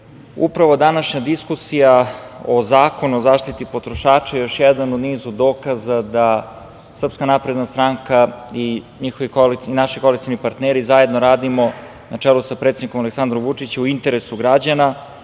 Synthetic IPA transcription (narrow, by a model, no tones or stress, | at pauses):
ṵpɾaʋo̞d̪anaʃɲad̪iskusijaozaːko̞nuozaːʃt̪it̪ipot̪ɾoʃaːt͡ʃajejo̞ʃjɛd̪anod̪niːzud̪oːkazad̪a | sr̩pskanapɾe̞d̪nast̪ɾaŋkaiɲixoʋikoliinaʃikoalikt̪ijonipaɾt̪neːɾizaje̞d̪noɾaːd̪imo̞ | nat͡ʂelusapɾet̪ed̪iko̞maleksand̪ɾomvut͡ʂit͡ɕeuint̪eɾesuɡɾad͡ʑana